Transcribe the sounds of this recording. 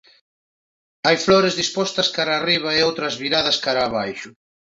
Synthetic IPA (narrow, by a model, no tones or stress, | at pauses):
ajflɔɾezðispɔst̪ɐskaɾaːriβ̞ɐeowt̪ɾɐzβiɾaðɐskaɾaːβajʃʊ